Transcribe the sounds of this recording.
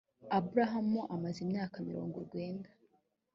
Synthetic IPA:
abuɾaɦamuʔamazimɲaːkamḭɾo̞̰ːŋɡoɾɡwe̞ːndḁ

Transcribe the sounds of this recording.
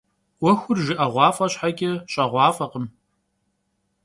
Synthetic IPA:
wɔxʷʊrʒɪʔɐʁʷɑːfʼɐɕħaɡʲʼɪɕʼɐʁʷɑːfʼɐqəm

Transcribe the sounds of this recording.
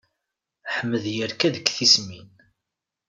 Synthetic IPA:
ħəmːəðjəɾkæðəkːθismin

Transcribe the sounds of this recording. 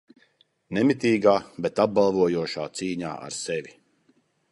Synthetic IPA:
nɛmit̪iːɡaːbɛt̪ab̚balˠvuɔjuɔʃaːt̪siːɲa̰ːʔa̰ɾsɛvʲi

